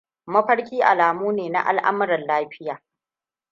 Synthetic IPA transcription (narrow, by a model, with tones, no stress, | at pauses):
mɐ˦ɸɐ˦ɽkʲiː˦ʔa̰˨laː˨muː˦neː˨na̰˦ʔa̰˨lʔa̰˦m˦ɾɐ˨nlaː˦ɸɪ˦jaː˨